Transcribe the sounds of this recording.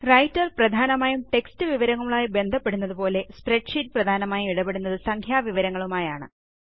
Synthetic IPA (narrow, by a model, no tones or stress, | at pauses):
rɐjtːɐrprɐd̪ʱaːnɐmaːjumʈe̞kstɨʋiʋɐɾɐŋːuɭuɭaːjibe̞nd̪ʱɐpːe̞ɽunːɐðupo̞ːle̞spreʈʂitːprɐd̪ʱaːnɐmaːjumiɽɐbe̞ɽunːɐðɨsɐŋkʰjaːʋiʋɐɾɐŋːɐɭumaːjaːɳɨ̰